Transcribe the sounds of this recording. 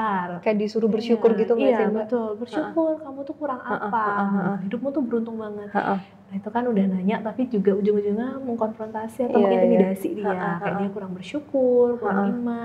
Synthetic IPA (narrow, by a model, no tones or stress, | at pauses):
arkajaʔdisuɾubərʃukʊrɡit̪umiasbət̪ʊlbərʃukʊrkamut̪uhkuɾaŋapahidʊp̚mut̪ʊhbəɾunt̪ʊŋbaŋət̪̚ | ait̪ukanudahnaɲaʔt̪apid͡ʒuɡaud͡ʒʊŋud͡ʒuŋaməŋkɔnfɾɔnt̪asiat̪aw̪imidasidiakajaʔdiakuɾaŋbərʃukʊrkuɾaŋima